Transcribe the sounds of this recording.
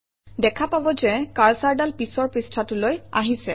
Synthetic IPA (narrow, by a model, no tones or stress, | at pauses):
dɛkʰapabɔzɛkaɹsaɹdalpisɔɹpɹistʰatʊloja̰ɦisɛ̰